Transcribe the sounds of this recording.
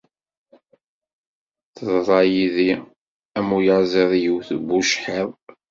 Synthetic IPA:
θəðˤɾˤɑjiði | æmujəʕzˤiðˤjiwθbːuʃħeðˤ

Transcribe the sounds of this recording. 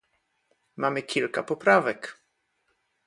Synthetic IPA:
mamɘkʲilkapɔpɾavɛk

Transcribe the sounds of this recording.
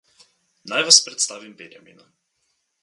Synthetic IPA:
najvaspɾɛt̪st̪aːʋimbɛnja̰mḭːna

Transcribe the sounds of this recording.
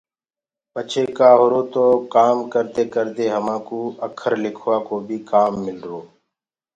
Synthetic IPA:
pət͡ʃʰeːkaːɦʊɾoːt̪oːkaːmkəɾt̪eːkəɾt̪eːɦəmãːkoːəkʰəɾlɪkʰʋaːkoːbʱiːkaːmːɪlɾoː

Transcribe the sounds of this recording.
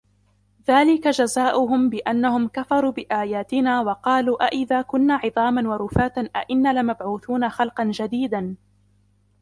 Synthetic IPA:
ðaːlɪkad͡ʒazaːʔʊɦʊmbɪʔanːahʊmkafɑɾˤuːbɪʔaːjaːt̪ɪnaːwɑqɑːluːʔaʔɪðaːkʊnːaːʕɨðˤɑːmanwɑɾˤʊfaːt̪anʔa̰ʔɪnːaːlɪmabʕuːθuːnaxɑlqɑnd͡ʒad̪iːd̪an

